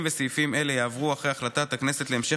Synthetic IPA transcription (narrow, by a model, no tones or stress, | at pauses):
mvesijfime̞le̞jaːvʁuaχejaχlat̪at̪aknese̞t̪leemʃe